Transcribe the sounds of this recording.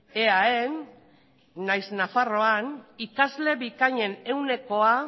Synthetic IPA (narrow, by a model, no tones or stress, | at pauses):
e̞aenː | ajznafaro̞anikazle̞βikaɲe̞ne̞wne̞ko̞a